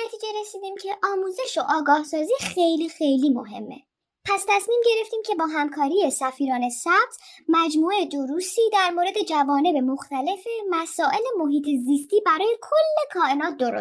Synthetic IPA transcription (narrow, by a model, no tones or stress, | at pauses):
næt̪ʰiːd͡ʒe̞ɾesiːd̪iːmcʰe̞ʔɒːmuːze̞ʃoʔɒːɡɒːhsɒːziːxejliːxejliːmo̞̰ɦe̞̰mːe̞̰ | pʰæst̪ʰæsmiːmɟe̞ɾe̞ft̪iːmcʰe̞bɒːɦæmkʰɒːɾiːje̞sæfiːɾɒːne̞sæb̥̚t̪ʰmæd͡ʒmuːed̪oɾuːsiːd̪æɾmoɾe̞d̪e̞d͡ʒævɒːne̞be̞mo̞xt̪æle̞femæsɒːʔe̞le̞mo̞ɦiːt̪ʰeziːst̪iːbæɾɒːje̞kʰolːe̞kʰɒːʔe̞nɒːt̪̚ʰd̪oɾo̰